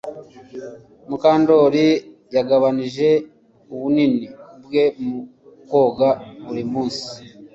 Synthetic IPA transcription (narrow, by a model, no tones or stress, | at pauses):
mukaːndo̞ɾijaɡaβaniʒe̞ | uβuninibɡe̞mu | ko̞ɡaβuɾimuːnsi̥